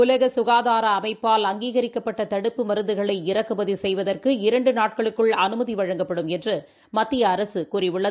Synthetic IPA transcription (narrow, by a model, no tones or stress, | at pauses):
ʊlɐɣɐsʊɣaːðaːɾɐːmɐɪpːaːlɐŋɡiːɣɐɾɪkːɐpːɐʈːɐt̪ɐɽɯpːɯmɐɾɯnd̪ɯɣɐɭɐɪɪrɐkːɯʋɐðisɛjʋɐðɐrkɯɪɾɐɳɖɯnaːʈ̚kɐɭɯkːɯɭɐnɯmɐðiʋɐɻɐŋɡɐpːɐɽɯmɛndrɯ | mɐt̪ːɪjɐːɾɐsɯkuːrɪʋʊɭːɐð